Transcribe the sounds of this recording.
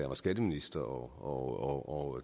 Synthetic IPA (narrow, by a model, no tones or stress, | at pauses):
ɐ̰mæsɡ̥æd̥əminisd̥ɐɒɒɒʔɒ